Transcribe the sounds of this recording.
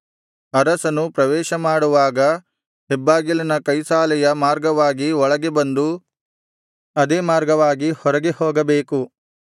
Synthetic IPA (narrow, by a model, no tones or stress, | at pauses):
ɐɾɐsɐnupɾɐʋɛːʃɐmaːɽuʋaːɡɐ | ebːaːɡilɐnɐkɐjsaːlɛjɐmaːɾɡɐʋaːɡiɔɭɐɡe̞bɐnd̪u | ɐd̪eːmaːɾɡɐʋaːɡihɔɾɐɡehoːɡɐbeːku